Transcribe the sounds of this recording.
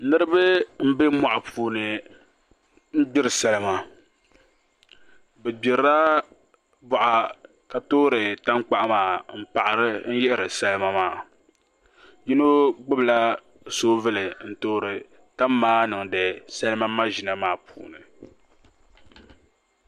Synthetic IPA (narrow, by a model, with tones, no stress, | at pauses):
nɨ˦ɾɨ˦bɨ˦m̩˦be˦mɔ˨ʔa˨pʰuː˨nɨ˨ | n̩˦ɡ͡bɪ˦ɾɨ˨sa˦lɨ˦ma˨ | bɛ˨ɡ͡bɪ˨ɾa˦ | bɔ˨ʔa˨ | ka˨toː˦ɾɨ˨ta˦mk͡pa˦ʔa˦maː˨m̩˦pa˨ʔa˨ɾɨ˦n̩˦jɛ˦ʔɾɨ˨sa˦lɨ˦ma˦maː˦˨ | ji˦no˦ɡ͡bɨ˦bla˦ | soː˦vɨ˦lɨ˨n̩˦toː˦ɾɨ˨ | ta˦mːaː˦nɨ˨ŋdɨ˨sa˦lɨ˦ma˦mːa˦ʒi˨na˨maː˦pʰṵː˨nɨ˨